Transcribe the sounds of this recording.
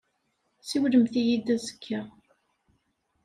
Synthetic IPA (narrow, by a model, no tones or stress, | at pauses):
siwləmθijid̪æzə̥kʰːæ